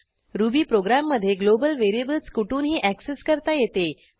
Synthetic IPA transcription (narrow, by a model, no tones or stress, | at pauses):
ɾubiːpɾoɡɾamːəd̪ʱːjeɡlobəlʋeɾiebəlskuʈuːnɦiːʔækseskəɾt̪ajet̪e